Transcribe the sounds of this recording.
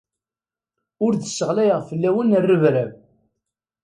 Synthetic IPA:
ʊɾðəsːəʁlæjʁfəlːæwənərːəvɾæv

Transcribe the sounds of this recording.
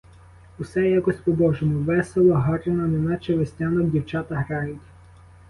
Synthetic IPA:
usɛjakɔsʲpɔbɔʒɔmʊʋɛselˠɔɦɔɾenɐnɛnɑt͡ʃeʋesʲtʲanɔɡdʲiwt͡ʃɑt̪ɐɦɾɑjʊtʲ

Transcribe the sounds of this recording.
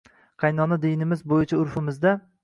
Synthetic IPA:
qʰɑjnɒnad̪ɪjnɪmɪzbojɪt͡ʃʰaʊɾfɪmɪzd̪a

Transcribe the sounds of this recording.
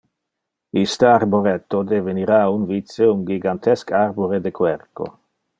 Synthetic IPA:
ist̪əaɾboɾɛt̪ːod̪eveniɾaunvit̪seuŋɡiɡant̪ʰɛskarboɾed̪ekwɛrko̰

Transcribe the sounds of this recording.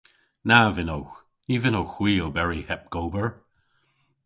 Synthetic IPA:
navɪnowx | niːvɪnowxw̥iːobɛɹihɛp̚ɡ̥oːbəɹ

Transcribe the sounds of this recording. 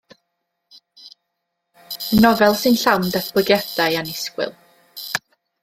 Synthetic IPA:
ənɔvɛlˠsɨnɬawndatʰb̥ʊɡjɛd̥ajanɪskwɪ̰lˠ

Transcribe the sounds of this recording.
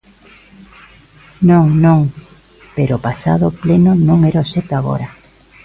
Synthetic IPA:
nõŋnõŋ | peɾopasa̰ðoplenonõŋeɾaoset̪oaɣ̞o̰ɾa

